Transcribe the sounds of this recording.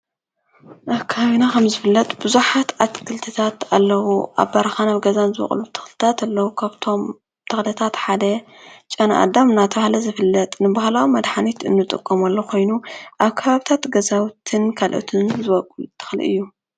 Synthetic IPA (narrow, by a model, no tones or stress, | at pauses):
ʔaβkʰaβinakʰɐmzɨfɨlːɐt̪ʼb̥ɨzuħat̪ʰat̪kʰɨlt̪ʰɨt̪ʰat̪alːɐwuʔa̰βbɐɾɐxanaβɡɐzanzɨwɐ̰χʼlut̪ʰɨ̥xlɨ̥t̪ʰat̪alːɐwukʰaβt̪ʰo̞m | t̪ʰɨxlʰɐt̪ʰat̪ħad̪ɐ | t͡ʃʼɐna̰ʔa̰d̪amɨnːat̪ʰɐβahlɐzɨfɨlːɐt̪ʼnɨbahlawimɐd̪ħanit̪ɨ̰nːɨt̪ʼɨ̰kʼːomalːokʰo̞jnuʔaβkʰɐβaβit̪ʰat̪ɡɐzawt̪ʰɨnkʰalʔo̰t̪ʰɨnzɨβɐkʼult̪ʰːɨ̥xlḭʔɨ̰jːu